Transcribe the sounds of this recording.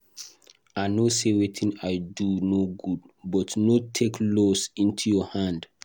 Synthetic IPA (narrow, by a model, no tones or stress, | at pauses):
aɪnosewetʰĩnaɪdunoɡudbɔtnotʰekʰlosĩntʰujɔhãnd